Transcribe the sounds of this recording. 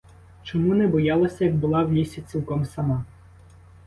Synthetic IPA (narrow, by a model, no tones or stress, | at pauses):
t͡ʃɔmunɛbɔjɑlˠɔsʲɐjɐɡ̚bʊlˠɑwjisʲit͡sʲilˠkɔmsɐmɑ